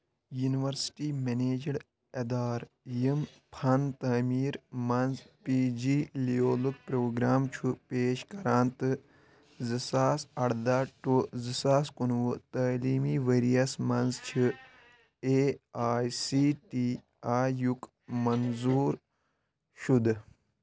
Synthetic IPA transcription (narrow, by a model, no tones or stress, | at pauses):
juniʋɐɾsʈiːmeneːd͡ʒɐɽ | ɐd̪aːɾ | jim | pʰɐnt̪ɐːmiːɾmɐnzpiːd͡ʒiːlioːluk̚pɾoːɡɾaːmt͡ʃʰupeːʃkɐɾaːnt̪ɨ | zɨsaːsɐɽd̪aːʈozɨsaːskunʋut̪ɐːliːmiːʋeɾijɐsmɐnzt͡ʃʰi | eːaːjsiːʈiː | aːjuk | mɐnzuːɾ | ʃud̪